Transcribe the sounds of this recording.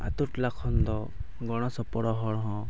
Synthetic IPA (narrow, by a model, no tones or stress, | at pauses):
a̰t̪uʈlakʰɔnd̪ɔ | ɡɔɽ̃ɔsɔpɔɽɔɦɔɽɦɔ̃